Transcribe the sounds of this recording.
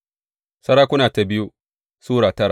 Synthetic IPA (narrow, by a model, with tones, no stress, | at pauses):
sɐ˦ɾaː˦kʷʊ˦naː˨ta˨bɪ˦ju˦ | suː˦ɽaː˨tɐ˦ɾa˨